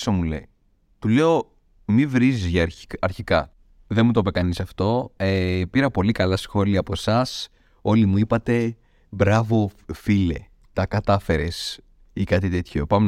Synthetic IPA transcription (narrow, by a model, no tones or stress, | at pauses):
somulḛj | t̪ule̞o̞ | mivɾizizʝɐɐɾçikɐ | ðemut̪opekɐnisɐft̪o̞epiɾɐpo̞likɐlɐsxo̞liɐːpo̞sɐs | o̞limuipɐt̪e̞ | bɾɐvo̞file̞̰ | t̪ɐkɐt̪ɐfe̞ɾe̞s | ikɐt̪it̪e̞t̪ço̞pɐme